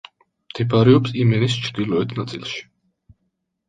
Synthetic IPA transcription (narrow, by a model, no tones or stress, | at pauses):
mt̪ʰɛpʰaɾɛɔpsimɛnist͡ʃʰɾd̪ilɔɛt̪ʰnat̪sʼḭlˠʃi̥